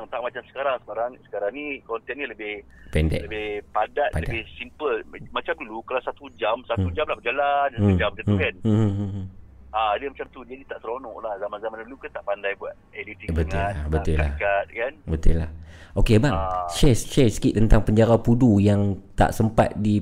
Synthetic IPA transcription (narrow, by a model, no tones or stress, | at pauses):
aŋt̪aʔ̚mat͡ʃamsə̥kaɾaŋsə̥kaɾaŋsə̥kaɾaŋnikɔnt̪ɛnniləbɪh | pɛndɛ̰ʔləbɪhpadat̪padlədabɪhsimpəlmat͡ʃamdulukalawsat̪ud͡ʒamsat̪ud͡ʒamlahbəd͡ʒalansaud͡ʒamt̪at̪kan | adəmat͡ʃamt̪ud͡ʒadit̪aʔt̪əɾonɔ̰̃ʔlahzamanzamandulukant̪aʔpandajbuat̪̚elit̪ibətŋṵlabəula̰kat̪̚kanbət̪ʊ̰lahʔokebaŋʃɛst͡ʃɛsə̥kiʔt̪ːənt̪aŋpəɲd͡ʒaɾapudujaŋt̪a̰ʔsəmpa̰t̪̚di